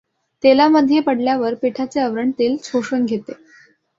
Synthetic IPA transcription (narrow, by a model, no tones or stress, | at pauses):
t̪elaməd̪ʱjepəɽljaʋəɾpeʈʰat͡seəʋɾəɳt̪iːlt͡sʰoʂənɡʱet̪e